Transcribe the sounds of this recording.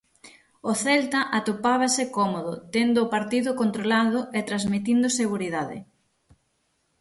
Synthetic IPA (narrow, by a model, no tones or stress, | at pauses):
oθɛlt̪aʔat̪opaβ̞asɪkɔmoðʊt̪end̪ʊːpaɾt̪iðʊkont̪ɾolaðʊʔet̪ɾazmit̪ind̪ʊseɣuɾiðaðɪ̰